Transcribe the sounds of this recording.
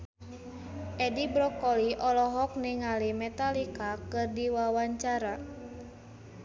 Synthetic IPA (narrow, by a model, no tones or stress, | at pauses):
ʔɛdibɾɔkɔliʔɔlɔɦɔk̚niŋalimɛt̪alikakɨrdiwawaɲt͡ʃaɾa